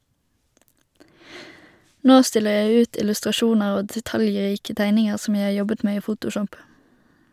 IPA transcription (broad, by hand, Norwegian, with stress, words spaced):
ˈnoː ˈstɪləʁ ˈjæɪ ˈʉːt ɪlʉstʁɑˈʃuːnəʁ ˈoː dɛˈtɑljˌʁiːkə ˈtæɪnɪŋəʁ ˈsɔm ˈjæɪ ˈhɑː ˈjɔbət ˈmeː ˈiː ˈfuːtʊˌʃɔp